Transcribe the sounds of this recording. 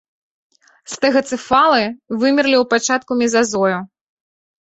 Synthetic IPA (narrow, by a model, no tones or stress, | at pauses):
st̪ɛɣɐt̪sɨfalˠɨvɨmʲirlʲiwpat͡ʂat̪̚kumʲɛzazɔju